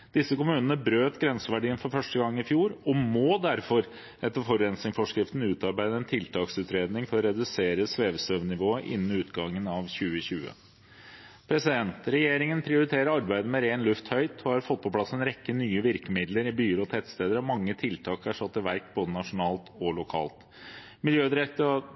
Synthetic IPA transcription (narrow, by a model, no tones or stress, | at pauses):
d̪̥ɪsːəkʊmʉːnənəbɾøːt̪ɡɾɛnsəʋæɖiːənfɔɾfœʂʈəɡɑŋːɪfjuːɾɔmɔːd̪æɾfɔɾ | ɛt̪ːəɾfɔɾɛnsɪŋfɔʂkɾɪft̪n̩ʉːt̪ɑɾbæɪd̪əɛnt̪ʰɪlt̪ʰɑːksʉːt̪ɾeːd̪nɪŋfɔɾɔɾɛd̪ʉseːɾəsʋeːʋsøːʋnɪʋoːəʔɪ̰nːn̩ʉːt̪ɡɑŋːənɑʋçʉːəçʉːə̰ | pʰɾɛsɪd̪ɛnt̪ɾɛjeːɾɪŋənpʰɾɪʊɾɪt̪ʰeːɾəɾɑɾbæɪd̪əmɛɾeːnlʉft̪hœʏt̪ʰɔhɑɾfɔt̪̚ːpʰɔpʰlɑsːɛnɾɛkːənyːəʋɪɾkəmɪd̪ləɾɪbyːəɾɔt̪ʰɛt̪st̪eːd̪əɾɔmɑŋːət̪ʰɪlt̪ʰɑːkæʂɑt̪ːəʋæɾk̚boːd̪ənɑʂʊnɑːlt̪ɔlʊkʰɑ̰ːlt̪ | mɪljøːd̪ɾɛt̪ːə